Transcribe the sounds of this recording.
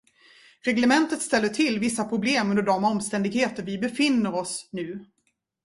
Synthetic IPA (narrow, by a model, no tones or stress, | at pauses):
ɾɛɡlɛmɛnt̪ət̪st̪ɛlːəʈʰɪlːvɪsːapʰɾʊbleːmɵnd̪əɖɔmɔmst̪ɛnd̪ɪɡheːt̪əɾvɪbɛfɪnːəɾɔsnʉ̟ː